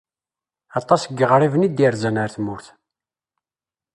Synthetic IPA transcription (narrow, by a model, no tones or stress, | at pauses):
ɑt̪ˤːɑsəɡːəʁrˤivənid̪iɾzænaɾθmʊɾθ